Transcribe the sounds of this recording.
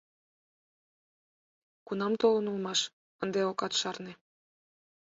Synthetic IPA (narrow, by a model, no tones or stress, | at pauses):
kunɑmt̪olə̆nulmɑʃ | ənd̪eokɑt̪ʃɑrne